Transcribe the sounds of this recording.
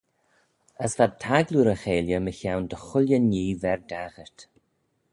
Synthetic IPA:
əsvad̚t̪ʰaɡluɾəxeːljəməçawnd̪əxʊlʲjənːiːvɛɹd̪aɣəɹt̪

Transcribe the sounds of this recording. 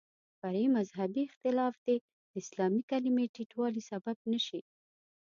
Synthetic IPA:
faɾemazɦabiɪxt̪ɪlɑfd̪e | d̪̥əɪslɑmikalimeʈiʈwɑlisabab̚nəʃi

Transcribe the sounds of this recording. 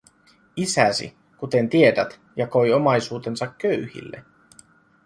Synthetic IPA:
isæsḭ | kut̪e̞nt̪ie̞dæt̪ | jɑko̞jo̞mɑjsuːt̪e̞nsɑkːøɥhḭlːe̞̰

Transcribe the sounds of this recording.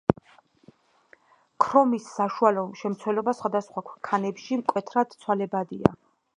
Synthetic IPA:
kʰɾɔmisːaʃualɔʃɛmt̪sʰwɛlɔbasχwad̪asχwakʷʰɛkʰanɛpʃimkʼwɛt̪ʰɾad̪̥t̪sʰwalɛbad̪ia̰

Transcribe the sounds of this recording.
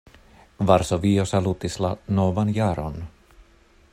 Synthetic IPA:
vaɾsoviːosalut̪ɪslanovanjaːɾɔ̰n

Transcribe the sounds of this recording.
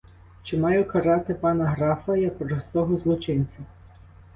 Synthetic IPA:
t͡ʃɪmɑjʊkɐɾɑt̪ɪpɑnɐɦɾɑfɐjɐkɾɔst̪ɔɦɔzlˠɔt͡ʃɪnʲt͡sʲɐ

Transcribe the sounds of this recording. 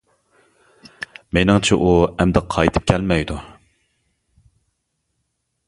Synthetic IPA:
menɪŋt͡ʃʰɛʔuɛmd̪ɛqʰːɑjt̪ʰɨ̥p̚kʲʰɛlmɛjd̪u

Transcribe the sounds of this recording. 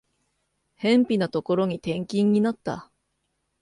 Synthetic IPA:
hẽ̞mpʲinat̪o̞ko̞ɾo̞ɲ̟it̪ẽ̞ŋkʲĩɲ̟ːinat̪ːa̰

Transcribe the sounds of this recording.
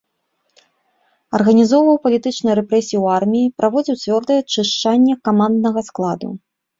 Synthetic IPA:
ɐrɣɐnʲizɔwvɐwpɐlʲit̪ɨt͡ʂnɨjɾɛpɾɛsʲijuwarmʲijipɾʔavɔd͡zʲiwt͡sʲvʲɔrd̪ɐjɛt͡ʂɨʂt͡ʂanʲːɛkamand̪nɐɣɐsklˠad̪ṵ

